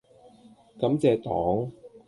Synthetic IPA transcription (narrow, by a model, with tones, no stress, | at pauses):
kɐ˨˧˥mt͡sɛː˨˧t̪ɔ̰ː˨˥ŋ